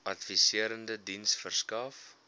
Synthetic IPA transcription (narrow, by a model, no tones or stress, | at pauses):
ɐtfisiəɾəndədinsfərskɐf